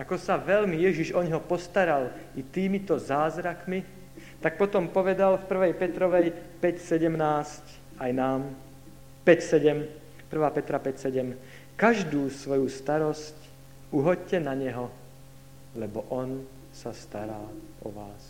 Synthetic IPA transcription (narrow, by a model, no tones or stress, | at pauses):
akɔsaʋɛʎmijɛʒiʒɔɲɦɔpɔst̪aɾalit̪iːmit̪ɔzaːzɾakmi | t̪ak̚pɔt̪ɔmpɔʋɛd̪alfpr̩ʋɛjpɛt̪ɾɔʋɛjpɛcsɛɟɛmnaːsc | ajnaːm | pɛcsɛɟɛm | pr̩ʋaːpɛt̪ɾapɛcsɛɟɛm | kaʒd̪uːsʋɔjust̪aɾɔsc | uɦɔɟcɛnaɲɛɦɔ | lɛbɔʔɔn | sast̪aɾaːʔɔ̰ʋaːs